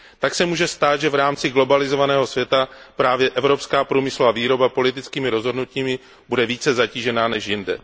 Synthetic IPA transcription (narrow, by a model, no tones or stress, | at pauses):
t̪aksɛmuːʒɛst̪aːt̪ʒɛvɾaːmt͡sɪɡlo̞balɪzovanɛːɦo̞svjɛt̪apɾaːvjɛʔɛvɾo̞pskaːpɾuːmɪsluvaviːɾo̞bapo̞lɪt̪ɪt͡skiːmɪɾo̞zɦo̞dnuciːmɪ | budɛviːt͡sɛzaciːʒɛnaːnɛʃjɪndɛ̰